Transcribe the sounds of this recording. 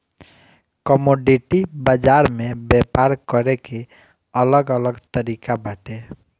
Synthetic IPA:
kɔmoɖiʈibəd͡ʒaɾmebepaɾkəɾeke | ələɡələɡt̪əɾikabaʈe

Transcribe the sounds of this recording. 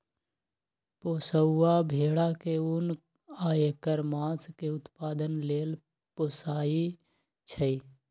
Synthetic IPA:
poːsəːabʱeːɽakeun | aːekəɾmãːskeʊt̪paːd̪ənleːl | poːsaːi | t͡ʃʰəi

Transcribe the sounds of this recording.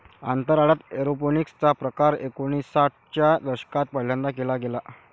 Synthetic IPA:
a̰nt̪əɾaɭat̪eɾoponikst͡sapɾəkaɾekoɽ̃isaʈ̚ʰt͡ɕjad̪əɾɕə̥kat̪̚pələnd̪akelaɡela

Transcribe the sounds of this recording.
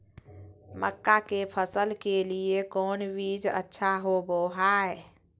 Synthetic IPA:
məkːakepʰəsəlkeliekonbid͡ʒə̰tːʃʰaɦoboɦae

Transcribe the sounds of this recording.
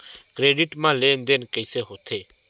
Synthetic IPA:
kɾeːɖiʈmãleːnd̪enkəɪseːɦoːt̪ʰeː

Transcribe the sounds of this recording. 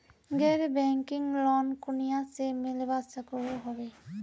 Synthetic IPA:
ɡeɾbɛŋkiŋlɔnkunijasemilebasakɔɹoɦɔbe

